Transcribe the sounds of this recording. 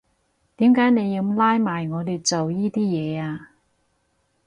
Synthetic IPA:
t̪iː˨˥mkaː˨˥jne˨˧jːiː˧laː˥jmaː˨˩jŋɔː˨˧li˨˧t͡so˨wjiː˥t̪iː˥jɛː˨˧aː˧

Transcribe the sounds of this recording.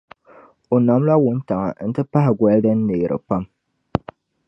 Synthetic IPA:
o˨na˨m˦la˦wʊ˦n˦ta˨ŋa̰˨n̩˦tɨ˦pa˦hɪ˨ɡʷa˨˦ldɨ˦n̩ː˦eː˨ɾʔɨ̰˨pa˦m

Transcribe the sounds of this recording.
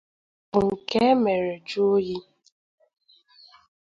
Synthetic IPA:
ŋ̩˨ke˦me˨ɾe˨d͡ʒu˦o˦ji˦

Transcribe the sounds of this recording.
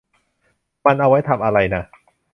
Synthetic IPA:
ma˧nʔa˧wa˦˥jt̪ʰa˧mʔa˧ɾa˧jna˦˥

